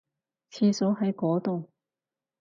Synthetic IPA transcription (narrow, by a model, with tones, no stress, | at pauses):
t͡sʰiː˧so˨˥wɦɐ˨˥jkɔː˨˥t̪ʊ˨w